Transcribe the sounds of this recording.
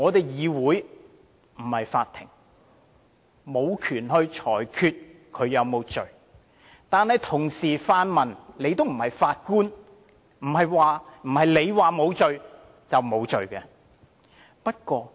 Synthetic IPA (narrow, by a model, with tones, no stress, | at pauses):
ŋɔː˨˧t̪e˨˩jjiː˨˧wuː˨˥j | m̩˨˩hɐ˨jfaː˧t̪ʰːɪ̰˨˩ŋ | mo˨˧wkʰyː˨˩nɦɵ˧ɥt͡ʃʰɔː˨˩jkʰyː˧t̚kʰɵ˨˧ɥjɐ˨˧wmo˨˧wt͡sɵ˨ɥ | t̪aː˨˧nhɐ˨jt̪ʰʊ˨˩ŋsiː˨˩faː˧nmɐ˨˩nle˨˧jt̪o˥wm̩˨˩hɐ˨jfaː˧t̚kuː˥n | m̩˨˩hɐ˨jwaː˨m̩˨˩hɐ˨jle˨˧jwaː˨mo˨˧wt͡sɵ˨ɥ | t͡sɐ˨wmo˨˧wt͡sɵ˨ɥkɛː˧ | pɐ˥t̚kʷɔː˧